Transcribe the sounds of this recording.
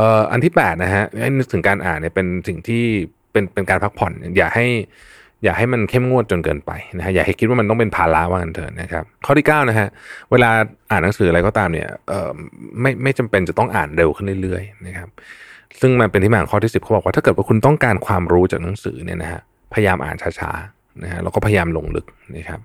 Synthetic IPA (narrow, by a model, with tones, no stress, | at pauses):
ʔəː˨˩ʔa̰˧nt̪ʰiː˥˩pɛː˨˩t̪̚na˦˥kʰa˦˥ʔha˥˩jnɯ˦˥k̚t̪ʰɯ˩˦ŋkaː˧nʔa̰ː˨˩nːi˥˩pe˧nsi˨˩ŋt̪ʰiː˥˩ | pe˧npe˧nkaː˧npʰa˦˥k̚pʰɔ˨˩˦nni˥˩ɐjaː˨˩k̚ha˥˩j | jaː˨˩k̚ha˥˩jma˧nkʰe˥˩mŋu˥˩ət̪̚t͡ɕo˧nkɤ̰ː˧npa̰˧jna˦˥kʰa˦˥ja˨˩ha˥˩jkʰi˦t̪̚wa˥ma˧nt̪ɔ˥˩pe˧npʰaː˧la˦˥waː˥˩ka˧nt̪ʰɤ̰ː˧˩na˦kʰa˦˥p̚kʰɔː˥˩t̪i˥˩kaː˥˩wna˦˥kʰa˦˥ʔweː˧laː˧ʔaː˨˩nːa˦ŋsɯː˩˦ʔɾa˧jkɔː˥˩t̪aː˧mnḭ˥˩ɐʔɤː˨˩ma˥˩jma˥˩jt͡ɕa˧mpe˧nt͡ɕa˨˩t̪ɔ˥˩ŋʔa̰ː˨˩nɾe˧wkʰɯ˥˩li˥˩ɾɯ˥˩əjna˦˥kʰa˦˥p̚sɯ˥˩ŋma˧npe˧nt̪ʰi˥˩m˧˥˩kʰɔː˥˩iː˥˩si˨˩p̚ʰbɔː˨˩kwaː˥t̪ʰːɤː˨˩t̪wa˥˩kʰu˧nt̪ɔ˥˩ŋkaː˧nkʰwaː˧mɾuː˦˥t͡ɕaː˨˩k̚na˨˦ŋsɯ̰ː˩˦ni˥˩ɐna̰˦˥kʰa̰˦˥ | pʰa˧ja˧jaː˧mʔa̰ː˨˩nt͡ɕʰaː˦˥t͡ɕʰa̰ː˦˥ | na˦˥kʰa˦˥la̰˧wkɔː˥˩pʰa˧ja˧jaː˧mlo˧ŋlɯ̰˦˥k̚na˦˥kʰa˦˥p̚